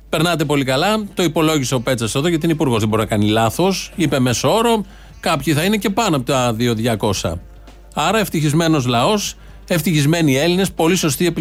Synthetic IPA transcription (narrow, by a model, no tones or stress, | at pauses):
pe̞ɾnɐt̪̬e̞po̞likɐlɐt̪o̞ipo̞lo̞ʝise̞o̞pe̞t͡sɐseðo̞ʝɐt̪ineipuɾɣo̞zðebo̞ɾinɐkɐnilɐθo̞sipe̞me̞soo̞ɾo | kɐpçiθɐine̞ce̞pɐnoɐpot̪ɐðio̞ðʝɐko̞sɐ̰ | ɐɾɐeft̪içizme̞no̞zlɐo̞s | e̞ft̪içizme̞nie̞line̞spo̞liso̞st̪ie̞pi